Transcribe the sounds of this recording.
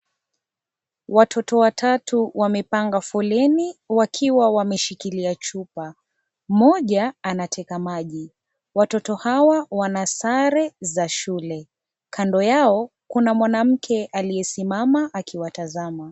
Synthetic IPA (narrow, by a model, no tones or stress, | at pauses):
watʰɔtɔwatʰatuwamɛpaŋɡafɔlɛniwakʰiwawamɛʃikiliat͡ʃupa | m̩mɔʄaːnatʰɛkamaʄi | watɔtɔhawawanasaɾɛzaʃulɛ | kʰandɔjaɔ | kunamwanam̩kʰɛʔalijɛsimamaʔakiwatazama